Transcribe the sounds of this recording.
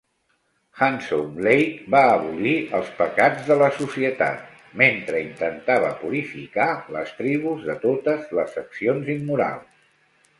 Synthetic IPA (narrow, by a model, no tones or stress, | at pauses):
xansṵmlejkbaəβuliʔəlˠspəkad͡zðələsusiət̪a̰t̪̚ | ment̪ɾəint̪ənt̪aβ̞əpuɾifikalə̰st̪ɾiβ̞uzðət̪ot̪əzləsəksionzimːuɾa̰lˠs